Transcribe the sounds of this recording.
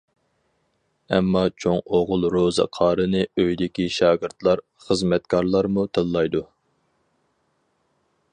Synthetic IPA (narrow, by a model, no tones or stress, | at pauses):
ɛmːɑt͡ʃʰoŋoʁʊlˠɾozɨ̰qʰɑːɾɨnɨøjd̪ɪkʲiʃɑːɡɪɾt̪lˠɑɾ | χəzmɛt̪̚kʰɑɾlˠɑɾmut̪ʰəlːˠɑjd̪u